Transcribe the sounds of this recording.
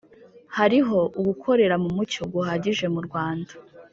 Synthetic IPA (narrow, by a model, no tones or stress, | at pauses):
haɾiɦo̞ʔuɡukʰo̞ɾe̞ɾamumuco̞ɡuhaːɟiʒe̞muɾɡwaːnda